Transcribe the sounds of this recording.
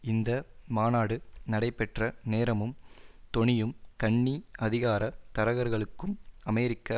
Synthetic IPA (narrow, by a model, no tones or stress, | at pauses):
ɪnd̪ɐmaːnaːɽɯnɐɽɐɪpːɛʈrɐneːɾɐmɯmt̪ɔɳɪjɯmkɐɳːiɐðɪɣaːɾɐt̪ɐɾɐɣɐɾɣɐɭɯkːɯmɐmɛjɾɪkːɐ